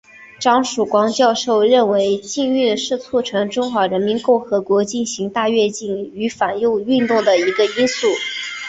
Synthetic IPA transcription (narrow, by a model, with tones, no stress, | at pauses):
ʈ͡ʂɑ˥ŋʂu˨˩kwɑ˥ŋt͡ɕjɑ˥˧ʊʂo˥˧ʊɻə˥˩nwe˧˥ɪt͡ɕi˥˧ŋy˥˧nʂɻ̩˥˧t͡sʰu˥˩ʈ͡ʂʰɤ˧˥ŋʈ͡ʂʊ˥ŋxwa˧˥ɻə˧˥nmi˧˥nkʊ˥˩ŋxɤ˧˥kwɔ˧˥t͡ɕi˥˩nɕi˧˥ŋt̪a˥˧ɥɛ˥˧t͡ɕi˥˩ny˧˥fa˨˩njo˥˧ʊy˥˧nt̪ʊ˥˩ŋd̪ə˩i˧˥ɡə˧i˥nsu˥˩